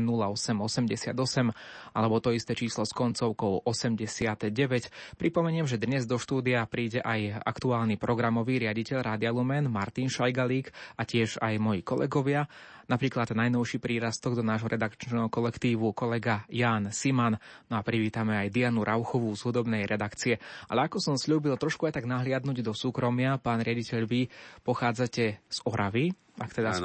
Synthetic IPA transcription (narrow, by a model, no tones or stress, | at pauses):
nulaɔsɛmɔsɛmɟɛsɪa̰d̪ɔsɛmʔalɛbɔt̪ɔist̪ɛt͡ʃiːslɔskɔnt͡sɔʊkɔʊʔɔsɛmɟɛsɪad̪̥ɟɛʋɛcpɾipɔmɛɲɪɛmʒɛd̪ɲɛzd̪ɔʃt̪uːd̪iapɾiːɟɛʔaja̰kt̪uaːlnipɾʔɔɡɾamɔʋiːɾɪaɟicɛʎɾaːd̪ɪalumɛnmaɾt̪inʃajɡaliːkacɪɛʒajmɔjḭkɔlɛ̰ɡɔʋɪa | napɾiːklad̪najnɔʊʃiːpɾiːɾast̪ɔɡd̪ɔnaːʒɦɔɾɛd̪akt͡ʃnɛɦɔkɔlɛkt̪iːʋukɔlɛɡajaːnsiman | nɔapɾiʋiːt̪amɛajd̪ianuɾʔaʊxɔʋuzɦud̪ɔbnɛjɾɛd̪akt͡siɛʔa̰lɛakɔsɔmsʎuːbilt̪ɾɔʃkuajt̪aɡnaɦlɪad̪nuɟd̪ɔsuːkɾɔmɪapaːnɾɪaɟicɛʎʋipɔxaːd͡zacɛz̥ɔɾaʋi | ʔakt̪ɛd̪a